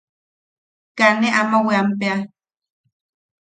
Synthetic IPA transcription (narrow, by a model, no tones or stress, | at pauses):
kaneʔamaweampea